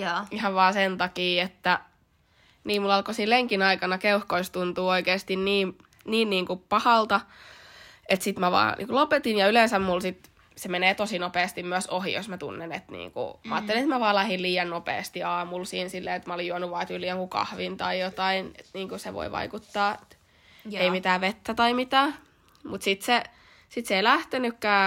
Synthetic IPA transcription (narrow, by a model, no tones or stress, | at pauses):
jɑihɑʋʋɑːsent̪ɑkiːet̪ːæ | niːmulɑlkosilleŋkinɑikɑnɑkeuhkoist̪unt̪uːoikeːst̪inniːm | niːnniːŋkupɑhɑlt̪ɑ | et̪sit̪mæʋɑ̰ːnḭːkulopet̪injɑylensæmmulsit̪ | semeneːt̪osinopeːst̪immyæsohḭjo̰smæt̪ṵnːenet̪nḭːŋkṵmɑɑ̰ːt̪ːelinet̪mæʋɑːlæhilliːjɑnnopḛːst̪iɑːmulsiːnsilːḛːet̪mæolijuɑnuʋʋɑːt̪ylːˑiːjoŋkukɑ̰hʋint̪ɑijot̪ɑinet̪niːŋkuseʋo̰iʋɑ̰ikut̪ːɑːet̪ | eimit̪æːʋet̪ːæt̪ɑimit̪æː | mut̪sit̪se | sit̪seilæht̪enykːæː